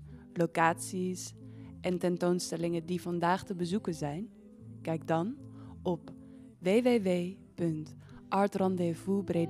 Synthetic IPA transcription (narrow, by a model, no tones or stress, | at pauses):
lokaːtsisʔɛntɛntownstɛlɪŋədivɑndaːχtəbəzukənzɛjn | kɛjk̚dɑnɔp | ʋeːʋeʋeː | pɵnt | ʔɑɹtrɑndevubre